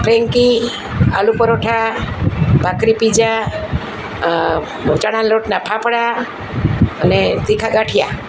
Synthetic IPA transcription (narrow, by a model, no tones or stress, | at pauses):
pʰɾeŋki | alupɔɾɔʈʰa | bakɾipid͡ʒa | t͡ʃaɽ̃alɔʈnapʰapəɽa | ənet̪ikʰaɡaʈʰija